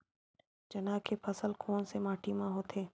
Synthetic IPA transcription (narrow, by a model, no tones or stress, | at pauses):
d͡ʒɐnaːkʰepʰəsəlkʰoːnsemaːʈʰimãɦoːt̪ʰeː